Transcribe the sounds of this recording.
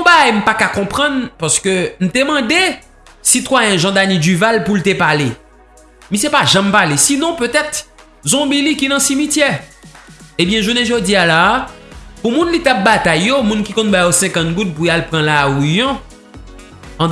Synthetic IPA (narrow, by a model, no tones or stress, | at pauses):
ɔ̃baɡajm̩pakakɔ̃pʁɑ̃npaskøn̩t̪emɑ̃d̪e | sit̪wajɛ̃ʒɑ̃d̪anidyvalpult̪epale | mĩsepaʒãmpalesinɔ̃pøt̪ɛt̪ | zɔ̃bilikinɐ̃simitjɛ | ebjɛ̃ʒuneʒod͡zialaː | pumũnlit̪ap̚bat̪ajːomũnkikɔ̃nbajosɛ̃kɑ̃t̪̚ɡut̪̚pujalpʁɑ̃lawujɔ̃